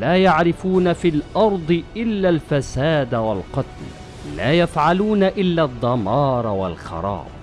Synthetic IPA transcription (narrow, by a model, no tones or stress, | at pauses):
laːjaʕɾɪfuːnafiːlʔɑɾˤd̪ˤɨʔɪlːalfasaːd̪walqɑt̪l | laːjafʕaluːnaʔɪlːad̪ˤːɑmɑːɾˤwalxɑ̰ɾˤɑ̰ːb̚